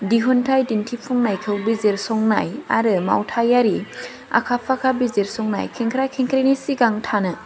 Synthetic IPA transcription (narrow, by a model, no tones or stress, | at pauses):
diɦuntʰajdintʰipʰɔŋnajkʰɯwbizeɾsɔŋna̰ja̰ɾɯma̰wtʰajaɾi | a̰kʰapʰakʰabizeɾsɔŋna̰jkʰeŋkʰɾajkʰeŋkʰɾenisiɡaŋtʰanɯ